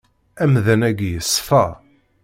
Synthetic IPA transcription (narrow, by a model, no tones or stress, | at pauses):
æmðænæɡjəsˤːfæ